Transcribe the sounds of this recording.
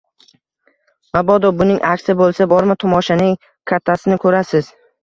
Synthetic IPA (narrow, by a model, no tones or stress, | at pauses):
mabɒd̪ɒbʊnɪŋʔakʲsɪbolˠsabɒɾmɪt̪ʰɒmɒʃanɪŋ | kʲʰat̪ʰːasɪnɪkʰɵɾasɪz̥